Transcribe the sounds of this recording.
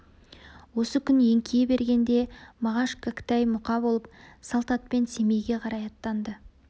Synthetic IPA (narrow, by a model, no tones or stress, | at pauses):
wo̞səkʲʰʏnje̞ŋkʲʰejebe̞ɾɡʲe̞nd̪e̞mɑʁɑʃkʰakt̪ɑjmʊqɑbo̞lˠəp̚sɑlˠt̪ɑt̪̚pe̞nse̞me̞jɡʲe̞qʰɑɾɑjɑt̪ːɑnd̪ə